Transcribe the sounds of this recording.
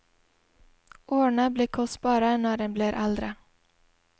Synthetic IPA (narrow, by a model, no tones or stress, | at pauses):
ʔoːɳabliːkʰɔst̪̚bɑːɾənaːɖɛnbliːɾʔald̪ɾə